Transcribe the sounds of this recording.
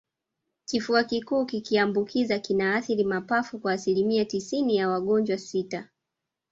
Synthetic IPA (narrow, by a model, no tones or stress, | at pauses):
kifuakikuːkikiambukʰizakinaːθiɾimapafukwaːsilimiatisinijawaɠɔɲd͡ʒwasita